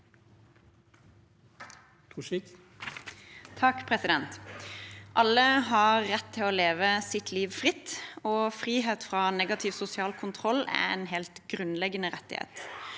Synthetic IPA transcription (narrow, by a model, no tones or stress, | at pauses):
uik | t̪ʰɑkpʰʁɛsɪd̪ɛnt̪ | ʔɑlːəɦɑʁːɛt̪ʰːɪloːleːʋəsɪt̪ʰliːʋfʁɪt̪ːoːfʁiːɦeːt̪fʁɑːnɛːɡɑt̪ʰɪʋsʊsɪɑːlkʰʊnt̪ʰʁɔlːæ̰ɛ̰nɦelt̪ɡʁʉnlɛɡənəʁɛt̪ːɪ̰hɛ̰ːt̪